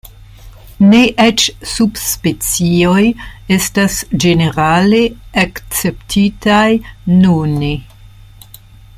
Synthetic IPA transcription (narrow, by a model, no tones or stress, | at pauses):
neʔet͡ʃsubspet͡sio̞je̞stasd͡ʒe̞ne̞ɾale̞akt͡se̞ptʰitajnune